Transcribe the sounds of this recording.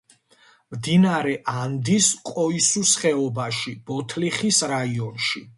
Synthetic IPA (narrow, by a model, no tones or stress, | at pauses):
md̪inaɾɛʔand̪iskʼɔisusχɛɔbaʃib̥ɔt̪ʰliχisɾaiɔnʃi